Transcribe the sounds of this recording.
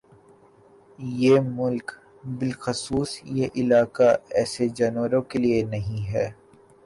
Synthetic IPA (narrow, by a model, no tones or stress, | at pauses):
jeːmʊlk | bɪlxʊsuːsjeʔɪlaːkaɛːsed͡ʒɐnʋəɾõkelienɐɦĩɦɛː